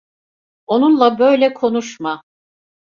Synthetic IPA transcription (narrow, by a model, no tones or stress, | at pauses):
o̞nunlˠabø̞jlʲɛkʰo̞nuʃma